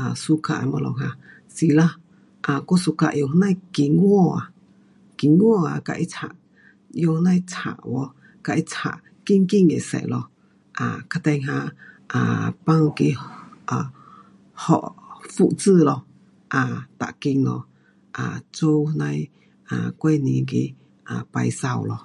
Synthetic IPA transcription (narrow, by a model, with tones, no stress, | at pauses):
a˨su˧˦ka˧˨ʔmɔ̃˧lɔ˧ɦã˧ | si˧la˦ | ʔa˨ku˦su˧ka˧ʔjo˧hnã˦ki˧ŋɡwo˦˧˨a˨ | ki˧ŋwo˦˨a˨ka˧ʔi˦t͡sha̰˧˨ʔ | jo˧hnã˦j̃t͡sha̰˨ʔwo˧ | ka˧ʔi˦t͡sha̰˨ʔ | ki˦ŋki˦ŋḛ̃˨sɛ̰˧˨ʔlɔ˧ | a̰˨ka˧t̪ẽ˧ŋɦã˧ʔa˨pã˦˧ŋki˧a˨ | hɔ̰˨ʔfu˦˧ʔt͡sɨː˧˨lɔ˧ | ʔa˨t̪a̰˨ʔkĩ˧ŋnɔ̰̃˧˨ | ʔa˨t͡suː˦hnã˦j̃ | a˨kʷe˦nĩ˧ki˧ʔ | a˨pa˧i˧sa˧˨wlɔ˧